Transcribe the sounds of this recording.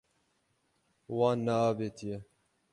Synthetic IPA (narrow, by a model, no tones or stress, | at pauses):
wɑːnːaaːbeːt̪ʰijɛ